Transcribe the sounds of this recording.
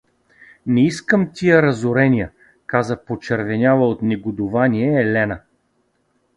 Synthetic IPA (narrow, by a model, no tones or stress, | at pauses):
nɛiskəmt̪ʲijəɾɐzʊɾɛnʲijə | kazəpot͡ʃɛɾvɛnʲavˠəot̪nɛɡʊd̪ʊvaniɛːlɛnə